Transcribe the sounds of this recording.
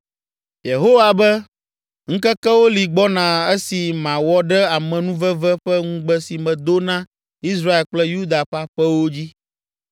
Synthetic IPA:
je˨ɦo˦wa˨bɛ˦ | ŋ̩̃˦kɛ˦kɛ˦wo˦li˨ɡ͡bɔ˦nã˨ɛ˦si˨mã˨wɔ˦ɖɛ˦a˨mɛ̃˨nũ˦vɛ˦vɛ˦ɸɛ˦ŋũ˦ɡ͡bɛ˦si˨mɛ̃˨d̪o˦nã˦ | i˦s̬ɾa˦e˨lk͡plɛ˦ju˦d̪a˨ɸa˦ɸɛ˦wo˦d͡ʑi˦

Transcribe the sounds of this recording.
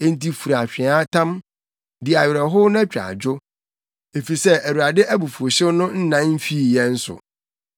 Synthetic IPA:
e˦n̩˦ti˦fu˨ɾa˨ɕᶣɪ̃˨a˦tʰã˦m | dɪ˨a˨ɥɪ˨ɾɛ˨ɦʊ˦nʊ̃˦æ˦t͡ɕᶣɾa̰˨d͡ʑʊ˦ | e˨fi˨sɛ˦ʔæ˨wu˨ɾa˨dɪ˦ʔæ˦bu˨fu˨o˨ɕɪ˦nʊ̃˦n̩˦nã˦m̩˦fi˦˨jɛ˦n̩˦sʊ̰˨

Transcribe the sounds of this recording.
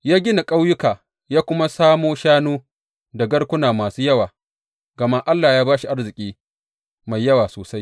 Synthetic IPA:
jaː˦ɡʲɪ˦na˨kʼa˦wjʊ˦kaː˨ | jaː˦kʷʊ˦ma˦saː˦moː˦ʃaː˦nuː˦ | da˨ɡɐ˦ɽkʷʊ˦naː˨maː˨suː˦jɐ˦waː˨ | ɡɐ˨ma˦ʔa˦lːaː˨jaː˦baː˦ʃi˨ʔa˦rzɪ˨kʲʼiː˦ | ma˨jːɐ˦waː˨soː˨sa˦j

